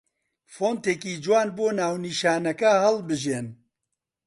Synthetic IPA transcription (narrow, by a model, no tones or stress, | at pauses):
foːnt̪eːkiːd͡ʒwaːnboːnaːwniːʃaːnɐkɐhɐlbɨʒeːn